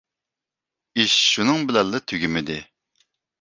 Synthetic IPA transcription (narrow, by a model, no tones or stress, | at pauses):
iʃʃunɨŋbɪlɛlːɨt̪ʰøɡʲɪmɪd̪ɪ